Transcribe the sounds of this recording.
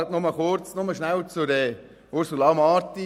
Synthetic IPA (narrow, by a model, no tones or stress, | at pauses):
tnʊməχʊɾt͡snʊməʃnæwt͡sʊɾɛː | ʊɾsulɑmɑːti